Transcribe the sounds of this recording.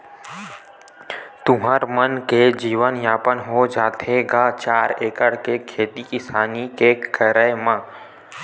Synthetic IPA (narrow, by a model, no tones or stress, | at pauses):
t̪ʊɦaːɾmənked͡ʒiːʋənjaːpənɦod͡ʒaːt̪ʰeːɡat͡ʃaːɾeːkəɽkekʰeːt̪ikɪsaːnikekəɾəmãː